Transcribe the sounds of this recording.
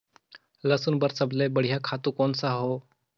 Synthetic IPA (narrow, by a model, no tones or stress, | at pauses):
ləsuːnbəɾsəblebəɽ̤ijakʰat̪uːkonsaɦo